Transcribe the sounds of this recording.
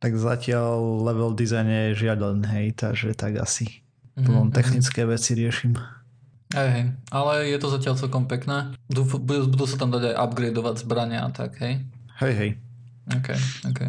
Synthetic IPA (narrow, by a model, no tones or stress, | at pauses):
t̪aɡzacɪallɛʋɛld̪izajnɛjɛʒɪad̪anɦɛjt̪aɡʒɛt̪aɡa̰si | pɔɔmt̪ɛxnit͡skɛːʋɛt͡siɾɪɛʃim | ɦɛjɦɛjalɛjɛt̪ɔzacɪalt͡sɛlkɔmpɛknɛːud̪ufbuɛbud̪uːsat̪amd̪aɟajʔa̰bɡɾɛjd̪ɔʋaɟzbɾaɲɛa̰t̪a̰ɡɦɛjhɛjɦɛj | ɔːkɛjɔːkɛj